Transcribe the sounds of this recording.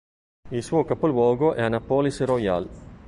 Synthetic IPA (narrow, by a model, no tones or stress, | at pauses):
ilsuːokapolwɔːɡoʔɛanapolisɾoja̰l